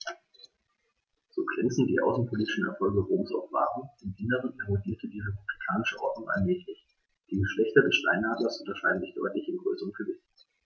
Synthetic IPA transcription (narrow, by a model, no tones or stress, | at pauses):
z̥oːɡʁɛnt͡sn̩d̥iːʔa̰ʊsn̩pʰoliːtɪ̥ʃn̩ɛ̰ɐfɔlɡəʁoːmsɔ̰fv̥a̰ːʁənɪmdʔɪnəʁənɛʁodiːɐtʰədiːʁepub̥likʰaːnɪʃəʔɔɐdnʊŋʔa̰nmɛːçlɪç | d̥iːɡəʃlɛçtɐdɛsʃta̰ɪnhaːdlɐsʔʊntɐʃaɪdn̩zɪçd̥ɔ̰ʏtlɪçɪnɡʁøːsəʁənɡ̥əvɪçt